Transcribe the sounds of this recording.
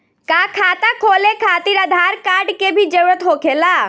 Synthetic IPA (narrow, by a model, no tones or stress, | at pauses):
kaːkʰaːt̪akʰoːlekʰaːt̪iːɾəd̪ʱaːɾkaːɾɖkebʱid͡ʒəwɾət̪ɦoːkʰeːlaː